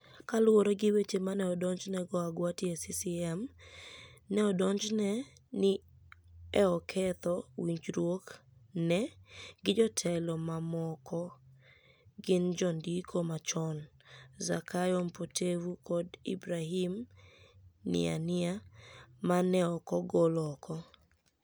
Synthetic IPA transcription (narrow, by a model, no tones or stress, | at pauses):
kalwoɾoɡɪwet͡ʃemanɛɔdɔɲd͡ʒnɛɡɔaɡwatjesisiɛm | nɛɔdɔɲd͡ʒnɛ | nɪ | ɛɔkʰɛt̪ɔwiɲd͡ʒɾwoknɛɡɪd͡ʒɔtʰɛlɔmamɔkʰɔ | ɡɪnd͡ʒɔndikʰomat͡ʃɔnzakʰajɔmpotʰewukɔdḭbɾahim | nɪ̰a̰nɪamanɛɔkɔɡɔlɔkʰɔ